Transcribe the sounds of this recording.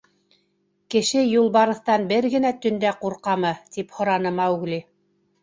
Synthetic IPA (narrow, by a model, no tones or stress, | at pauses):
kɘ̆ʃɘjulˠbɑɾɤ̆θt̪ɑnbɘɾɡɘ̆næt̪ɵ̆nd̪æquɾqɑmɤt̪iphŏɾɑnɤmɑwɣlʲi